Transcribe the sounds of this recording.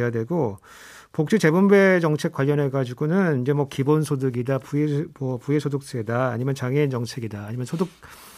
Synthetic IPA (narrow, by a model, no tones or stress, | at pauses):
jadwe̞ɡo | pok̚t͡ɕ͈it͡ɕe̞bumbe̞t͡ɕʌŋt͡ɕʰe̞k͈waʎːʌne̞kad͡ʑiɡonɯnid͡ʑe̞mwʌkibonsʰodɯɡidapuemʌpuesʰodok̚s͈ɯedaːɲimjʌnt͡ɕaŋent͡ɕʌŋt͡ɕʰe̞ɡidaːɲimjʌnsʰoduk̚